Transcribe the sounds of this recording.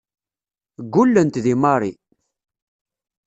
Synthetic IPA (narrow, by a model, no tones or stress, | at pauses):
ɡʷːulːənt̪ðimɑɾˤi